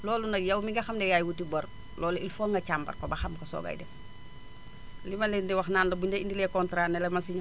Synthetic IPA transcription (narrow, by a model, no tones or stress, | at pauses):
lɔːlunɐkjɐwmiɡɐxɐmdɛjaːjwutibɐɾ | lʔɔːlilfɔːŋɡɐt͡ʃambɐ̰rkɔbɐxɐmkosɔ̰ɡɐ̰jdɛ̰ | limɐlɛndiwɐxnaːnlɐbuɲɛindilɛkɔntɾaːnɛlɛmɐsiɲ